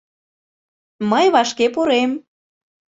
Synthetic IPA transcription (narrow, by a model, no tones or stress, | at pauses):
məjβɑʃkepuɾem